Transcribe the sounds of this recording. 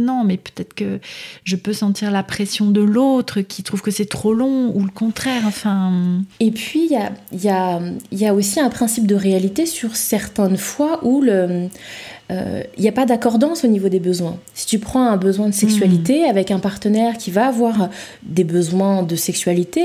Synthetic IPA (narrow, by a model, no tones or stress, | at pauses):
nɔ̃mɛpø̥t̪ɛt̪χə̥kəʒəpøsɑ̃t̪iʁlapχɛsjɔ̃d̪əlot̪χəkʰʲit̪χuv̥kəsɛt̪χolɔ̃uləkɔ̃t̪χɛʁɑ̃fɛ̃epɥijailjamiljaosiɛ̃pχɛ̃sipd̪əʁealit̪esyʁsɛʁt̪ɛnfwaʔuləm | ø̰iljapad̪akɔʁd̪ɑ̃sonivod̪ebəzwɛ̃si̥t̪ypχɑ̃ɛ̃bəzwɛ̃d̪əsɛksɥalit̪eavɛkɛ̃paʁt̪ənɛʁkʲivaːvwaʁ | d̪ebəzwɛ̃d̪əsɛksɥalit̪e